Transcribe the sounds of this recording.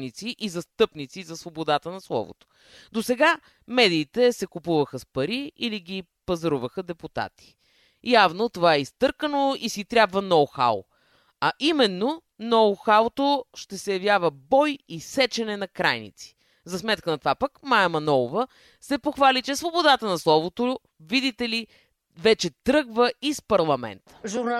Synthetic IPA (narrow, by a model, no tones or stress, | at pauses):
nit̪siʔizɐst̪ɤpnit̪sizɐsvobod̪at̪ənɐslˠɔ̰vo̰t̪o̥ | d̪osɛɡa | mɛd̪iːt̪ɛsɛkupuvəxəspɐɾiiliɡi | pɐzɐɾuvəxəd̪ɛput̪a̰t̪i̥ | javnot̪ovaɛist̪ɤɾkənoisit̪ɾʲjabvənɔwxa̰lˠ | ɐʔimɛnːo | nɔwxalt̪oʃt̪ɛsɛjɐvjavəbɔjisɛt͡ʃɛnɛnɐkɾajnḭt̪si̥ | zɐsmɛt̪kənɐt̪ovapəkmajɛmɐnɔvə | sɛpoxvalit͡ʃɛsvobod̪at̪ənɐslˠɔvot̪o | vid̪it̪ɛli | vɛt͡ʃɛt̪ɾɤɡvəispɐɾlˠɐmɛ̰nt̪ə̥ʒ